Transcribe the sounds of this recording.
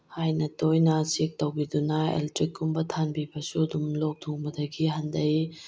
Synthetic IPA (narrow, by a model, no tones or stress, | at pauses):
hajnɐtojnɐt͡ʃek̚tɐwbidunɐḛltɾikːumbɐtʰanbibɐsuɐdumlok̚dʰuŋbɐdɐɡiɦɐndɐj